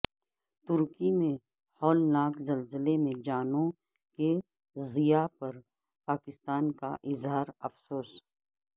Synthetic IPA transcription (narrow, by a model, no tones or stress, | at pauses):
t̪ʊɾkimẽ | hɔːlnaːkzɐlzɪlemẽd͡ʒaːnõ | ke | zijapɐɾ | paːkɪst̪aːnka̰ʔɪzɦaːɾɐfsoːs